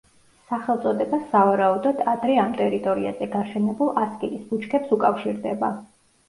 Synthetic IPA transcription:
saχɛlˠt̪sʼɔd̪ɛbasːavaɾaud̪ɔd̪ad̪ɾɛamt̪ʼɛɾit̪ʼɔɾiazɛɡaʃɛnɛbulˠaskʼiisbut͡ʃʰkʰɛpsukʼafʃiɾd̪ɛba

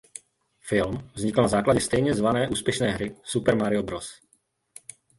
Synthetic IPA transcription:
fɪlmvzɲɪkl̩nazaːklaɟɛst̪ɛjɲɛzvanɛːʔuːspjɛʃnɛːɦɾɪsupɛɾmaɾɪobɾos

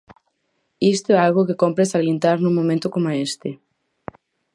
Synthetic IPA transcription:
ist̪oɛalɣokekompɾesaɣlint̪aɾnũŋmõmẽnt̪okomaest̪e

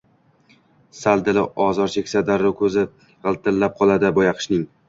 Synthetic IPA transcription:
sald̪ɪlɪɒzɒɾt͡ʃʰekʲsad̪aɾːʊkʰɵzɪ | ʁɨlˠt̪ʰɪlːap̚qʰɒlˠad̪ɪbɒjɑqʰɨ̥ʃnɪŋ

